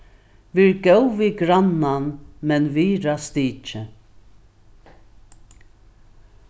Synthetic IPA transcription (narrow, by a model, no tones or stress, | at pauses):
viɹɡɛwviɡɾananmɛnviːɾast̪iːt͡ʃə